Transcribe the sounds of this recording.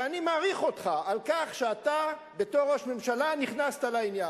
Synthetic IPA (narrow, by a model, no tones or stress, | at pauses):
animaːʁiχo̞t̪χaalkaχʃeata | be̞to̞ʁoʃmemʃalaniχnast̪alainja